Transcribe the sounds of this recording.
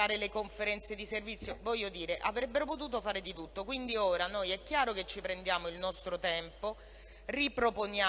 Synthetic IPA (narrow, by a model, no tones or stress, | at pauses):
aːɾelekoɱfeɾɛnt̪sed̪iservit̪sːjovɔʎːod̪iːɾeʔavɾɛbːeɾopot̪̬uːt̪̬ofaːɾed̪it̪ut̪ːokwind̪ioːɾanojɛkːjaːɾoket͡ʃːipɾend̪jaːmoilnɔst̪ɾot̪ɛmpo | ripɾopona